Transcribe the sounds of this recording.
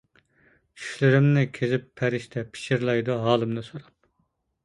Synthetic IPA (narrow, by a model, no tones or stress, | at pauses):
t͡ʃʰy̥ʃlɪɾɪmnɪkʲʰezɪpʰːɛɾɪʃt̪ʰɛpʰi̥ʃiɾlˠɑjd̪uɦɑːlˠɨmnɨsoɾɑp̚